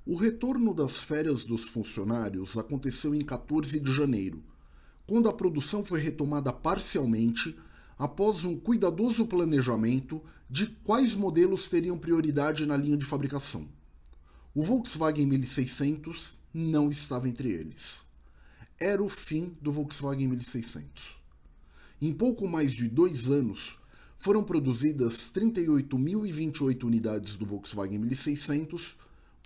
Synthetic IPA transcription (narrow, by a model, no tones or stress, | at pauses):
ʊɦet̪oɾnʊd̪ɐsfɛɾjɐzd̪ʊsfũsionaɾjʊzakõnt̪esewẽj̃kat̪oɾzɪd͡ʒɪʒɐ̃nejɾʊ̰ | kwɐ̃nd̪ʊɐpɾod̪usɐ̃w̃fojɦet̪omad̪ɐpaɾsiawmẽnt͡ʃɪ | apɔzũkujd̪ad̪ozʊplɐ̃neʒamẽnt̪ʊ | d͡ʒɪkwajzmod̪elʊst̪eɾiɐ̃w̃pɾioɾid̪ad͡ʒɪnɐlĩɲɐd͡ʒɪfabɾikasɐ̰̃w̃ | ʊvoksvaɡẽmilisejsẽnt̪ʊz | nɐ̃w̃ɪst̪avɐẽnt̪ɾɪḛlɪs | ɛɾɐʊfĩd̪ʊvɔksvaɡẽmiwisejsḛ̃nt̪ʊ̥s | ẽj̃powkʊmajzd͡ʒɪd̪ojzɐ̃nʊs | foɾɐ̃w̃pɾod̪uzid̪ɐst̪ɾĩnt̪ɐjojt̪ʊmiwivĩnt͡ʃɪojt̪ʊuunid̪ad͡ʒɪzd̪ʊvɔwksva̰ɡẽmilisejsẽnt̪ʊs